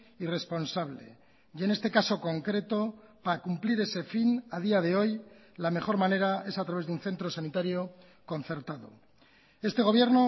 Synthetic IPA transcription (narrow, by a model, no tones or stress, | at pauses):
ire̞spo̞nsaβ̞le | je̞ne̞st̪e̞kaso̞ko̞ŋkɾe̞t̪o̞paɾakumpliɾe̞se̞finað̞iaðe̞o̞j | lame̞xo̞ɾmane̞ɾae̞sat̪ɾaβe̞zðunθe̞nt̪ɾo̞sanit̪aɾjo̞ | ko̞nθe̞ɾt̪aðo̰ | e̞st̪e̞ɣ̞o̞β̞je̞ɾno